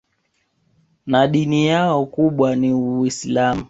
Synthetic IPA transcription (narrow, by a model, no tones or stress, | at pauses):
naɗinijaɔkuɓwaniuislamu